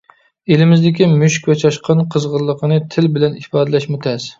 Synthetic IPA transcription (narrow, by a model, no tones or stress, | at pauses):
elɪmɪzd̪ɪkʲimyʃkʲvɛt͡ʃʰɑʃqʰɑnqʰəzʁəɾlˠːəqənɨt̪ʰɪlbɪlɛnifɑːd̪ɨlɛʃmut̪ʰɛs